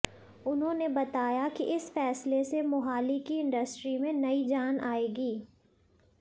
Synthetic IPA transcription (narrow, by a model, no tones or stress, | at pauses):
ʊnɦõnebɐt̪aːjakiʔɪsfɛːslesemʊɦaːlikiɪ̃ɳɖɐsʈɾimẽnɐid͡ʒaːnʔaːeːɡiː